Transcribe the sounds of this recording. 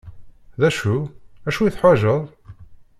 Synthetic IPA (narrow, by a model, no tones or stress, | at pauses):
ðæʃuæʃuiθħwæʒəðˤ